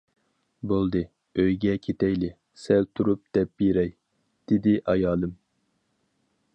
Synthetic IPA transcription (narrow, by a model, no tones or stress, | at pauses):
bolˠd̪ɨ | øjɡʲɛkʲʰet̪ɛjlɪ | sɛlt̪ʰuɾup̚d̪̥ɛp̚beɾɛj | d̪̥ɪd̪ɪʔɑjɑːlˠɨm